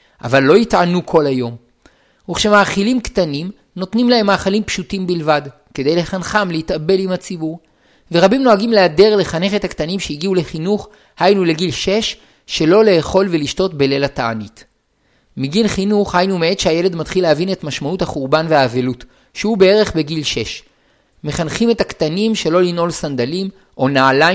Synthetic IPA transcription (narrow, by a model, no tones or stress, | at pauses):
ʔa̰valːo̞jitʕanukʰo̞lajo̞m | huχʃe̞maːχilimkt̪anim | no̞tnimlahe̞mːaːχalimpʃutimbilvad | ke̞de̞jle̞χanχamlehitabe̞limhat͡sibuʁ | veʁabimno̞aɡimleade̞ʁle̞χane̞χe̞taktanimʃejiɡiule̞χinuχ | hajnule̞ɡilʃe̞ʃː | e̞lo̞le̞ːχo̞lveliʃto̞tbelelataanit | miɡilχinuχhajnumee̞tʃeaje̞le̞dmatχileavine̞tmaʃmauthaχuʁbanve̞haːvelut | ʃehube̞e̞ʁe̞χbe̞ɡilʃe̞ʃ | me̞χanχime̞taktanimʃe̞lo̞lino̞lsand̪alim | ʔo̞naala